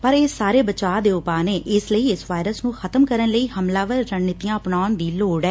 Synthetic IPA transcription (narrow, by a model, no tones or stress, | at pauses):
pəɾeːsːaːɾeːbət͡ʃaːd̪eːʊpaːneːʔɪsləiːɪsʋaːɪɾəsnũːxʰət̪əmkəɾənləiːɦəmlaːʋəɾːəɳːɪt̪ijãːəpnaːʊnd̪iːloːɽɛː